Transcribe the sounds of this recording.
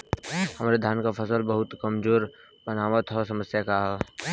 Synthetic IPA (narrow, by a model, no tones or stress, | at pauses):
hɐmaːɾed̪ʱjaːnkafɐsəlbəɦʊt̪kɐmzoːɾ | bənaːʋət̪ɦosɐməsjakaɦɛ